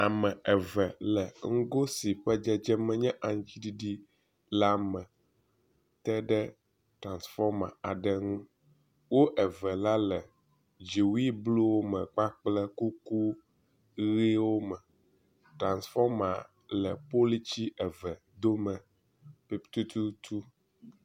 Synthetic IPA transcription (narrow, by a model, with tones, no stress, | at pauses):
a˨mɛ̃˨ʔɛ˨vɛ˨lɛ˨ŋ̩˦ɡo˦si˨ɸɛ˦d͡ʒɛ˦d͡ʒɛ˦mɛ̃˦ɲɛ̃˦ʔa˨ŋ̃˦t͡ɕi˦di˦ɖi˦ | la˦mɛ̃˨ | t̪ɛ˦ɖɛ˦ | tɾã˨nsfɔ˦ɾmã̰˨a˨ɖɛ˦ŋũ˦ | wo˦ʔɛ˨vɛ˨la˦lɛ˨ | d͡ʒi˨wi˦blo˦wo˦mɛ̃˨ɡ͡ba˦k͡plɛ˦ku˦ku˦ | ɣe˦wo˦mɛ˨ | tɾã˨nsfɔ˦mã̰˨ | lɛ˨po˦li˦t͡ɕi˦ɛ˨vɛ˨ | d̪o˦mɛ̃˨ | pi˦t̪u˦t̪u˦t̪u˦